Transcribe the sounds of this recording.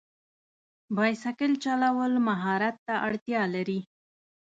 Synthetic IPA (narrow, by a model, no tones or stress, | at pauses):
bɑjsakɪlt͡ʃalawəlmaɦɑɾat̪ːaʔaɽt̪jɑlaɾi